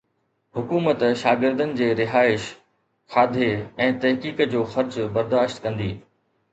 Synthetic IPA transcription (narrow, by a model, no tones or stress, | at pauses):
ɦʊkuːmət̪ʃaːɡɪɾd̪ənɪ̆d͡ʑeːɾɪɦaːɪʃ | xaːd̪ʱeɛ̃ːt̪ɐɦkiːkd͡ʑoːxɐɾd͡ʑbɐɾd̪aːʃt̪kɐ̃nd̪iː